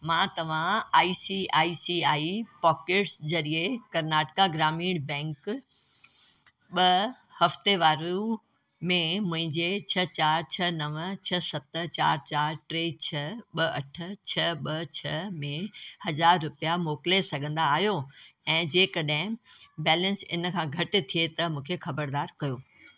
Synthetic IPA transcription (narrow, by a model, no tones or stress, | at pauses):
mãːt̪ɐʋ̤ãaːisiaːisiaːipɔːkeːʈszɐɾiekɐɾnaːʈɪ̥kaɡɾaːmiːɽ̃bɛ̃ːŋk | ɓɐ | hɐft̪eʋaːɾu | mẽmʊ̃ɦɪ̃ɲd͡ʑet͡ɕʰɐt͡ɕaːɾt͡ɕʰɐnɐʋt͡ɕʰɐsɐt̪t͡ɕaːɾt͡ɕaːɾʈɾeːt͡ɕʰɐɓɐɐ̰ʈ̆ʰt͡ɕʰɐɓɐt͡ɕʰɐmẽhɐzaːɾːʊpijamoːklesɐɡʱə̃nd̪aːɦijoɛ̃ːd͡ʑeːkɐɗ̃ɦɪ̃bɛːlə̃nsɪ̰nkʰãːɡʱɐʈɪ̆t̪ʰiet̪ɐmũːkʰexɐbəɾd̪aːɾkɐjoː